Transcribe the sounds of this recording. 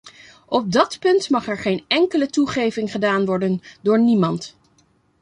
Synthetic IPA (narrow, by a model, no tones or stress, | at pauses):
ɔp̚dɑtpɵntmɑχɛɹχejnɛŋkələtuχejvɪŋχədaːnʋɔɹdəndʊːɹnimɑnt